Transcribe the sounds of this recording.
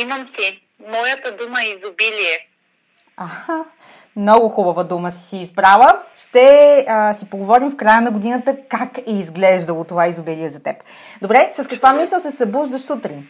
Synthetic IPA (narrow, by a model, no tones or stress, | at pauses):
imɐmsi | mɔjət̪əd̪uməizobiliɛ | axa | mnɔɡʊxubəvəd̪uməsi̥siːzbɾavəʃt̪ɛəsipoɡovɔɾimfkɾajənɐɡod̪inət̪əkakɛizɡlɛʒd̪əlˠot̪ovaizʊbiliɛzɐt̪ɛp | d̪obɾɛsɐskɐkvamisˠəlˠsɛsɐbuʒd̪əʃsut̪ɾin